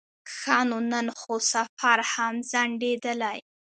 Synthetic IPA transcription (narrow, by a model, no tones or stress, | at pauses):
xɑnonənxosafaɾhamzaɳɖed̪əlaj